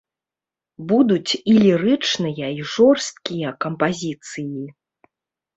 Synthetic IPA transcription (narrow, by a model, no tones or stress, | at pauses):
bud̪ut͡sʲilʲiɾɨt͡ʂnɨjɐiʐɔrst̪̚kʲijɐkɐmpazʲit̪sɨji